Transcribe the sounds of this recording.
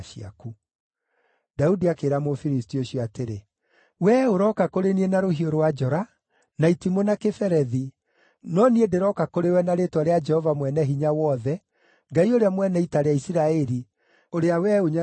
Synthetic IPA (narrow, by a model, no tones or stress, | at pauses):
ʃia̰ku | daudiakeːɾamofiɾistioɕjɔateɾe | wɛoɾɔkakoɾenienaɾoɦioɾowad͡ʒɔɾa | naitimonakefɛɾɛði | nɔniedeɾɔkakoɾewɛnaɾetwaɾead͡ʒɛhɔvamwɛnɛɦiɲawɔðɛ | ŋɡaioɾeamwɛnɛitaɾeaisiɾaɛɾi | oɾeawɛoɲa